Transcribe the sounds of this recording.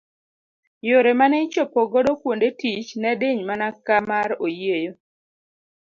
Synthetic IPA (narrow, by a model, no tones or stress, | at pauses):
joɾemanɛt͡ʃopoɡɔdɔkwondetit͡ʃnɛdeɲmanakamaɾojiejo